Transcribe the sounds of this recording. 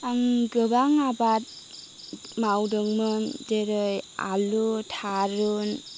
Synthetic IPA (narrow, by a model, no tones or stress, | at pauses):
aŋɡɯbaŋabat̚ | mawdɯŋmɯdeɾɯja̰lutʰaɾun